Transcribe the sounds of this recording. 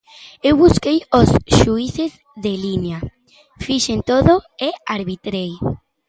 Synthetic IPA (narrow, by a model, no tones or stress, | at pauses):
ewβuskejosʃuiθez | ðelinea | fiʃent̪oðoeaɾβit̪ɾej